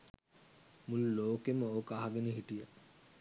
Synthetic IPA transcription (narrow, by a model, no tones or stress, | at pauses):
mululoːkeməoːkaɦaɡeneɦiʈijə